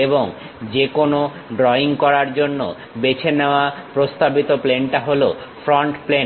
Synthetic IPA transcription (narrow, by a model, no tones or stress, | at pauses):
eboŋ | d͡ʑekono | ɖɾɔiŋkɔɾaɾd͡ʑonːo̰ | bet͡ɕʰeneoapɾost̪abit̪oplenʈaɦolofʰɾɔɳʈplen